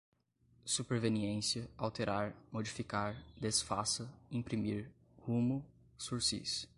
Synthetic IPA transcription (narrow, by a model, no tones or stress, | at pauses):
supeɾveniẽsiɐawt̪eɾaɾmod͡ʒifikaɾd̪esfasɐĩpɾimiɾ | hũmʊ | suɾsḭs